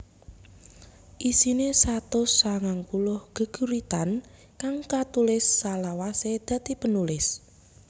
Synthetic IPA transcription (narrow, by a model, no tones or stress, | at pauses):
ʔisinesat̪ʊsːaŋaŋkulʊhɡ̥ə̤ɡ̥ṳɾit̪an | kaŋkat̪ulɪsːalawased̪̥ä̤t̪ipənulɪs